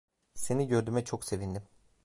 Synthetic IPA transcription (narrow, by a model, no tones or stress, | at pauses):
se̞niɟø̞ɾd̪ymɛt͡ʃʰo̞kse̞vind̪im